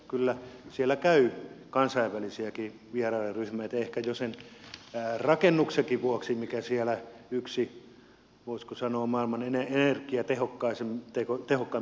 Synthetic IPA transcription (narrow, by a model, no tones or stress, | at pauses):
kylːæsielːækæykɑnsɑiʋʋælisiæki | ʋierɑrerryhmæit̪æehkæjosen | rɑkenːuksekiʋuoksimikæsielæyksi | ʋoˑisʲkusɑnoːmɑˑilmɑneneenerkˑiæt̪ehokːɑiset̪ekot̪ehokːɑ